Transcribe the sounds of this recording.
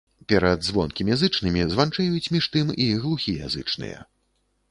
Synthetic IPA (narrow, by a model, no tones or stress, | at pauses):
pʲɛɾɐd̪zvɔnkʲimʲjazɨt͡ʂnɨmʲizvant͡ʂɛjut͡sʲmʲiʂt̪ɨmiɣlˠuxʲija̰zɨt͡ʂnɨ̰jɛ̰